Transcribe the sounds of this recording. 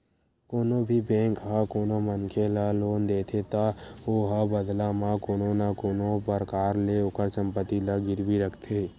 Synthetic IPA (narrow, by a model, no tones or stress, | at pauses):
koːnobʱibẽːŋkɦakoːnomənkʰelaloːnd̪eːt̪ʰet̪aoɦabəd̪lamãkoːnonakoːnopəɾkaːɾleʊkəɾsə̃mpət̪ilaɡɪɾʋiɾəkʰt̪ʰe